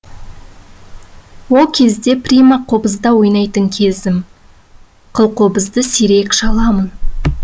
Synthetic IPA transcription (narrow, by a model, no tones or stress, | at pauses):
wo̞lˠkʲʰe̞zd̪e̞pɾʲijmɑqʰobəzd̪ɑwo̞jnɑjt̪əŋkʲʰe̞zɪm | qʰəlˠqʰo̞bəzd̪əsiɾe̞kʃɑlˠɑmən